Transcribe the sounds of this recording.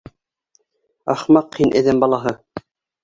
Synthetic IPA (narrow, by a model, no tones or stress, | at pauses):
ɑχmɑqhinʔɘ̆ðɘmbɑlˠɑɦɤ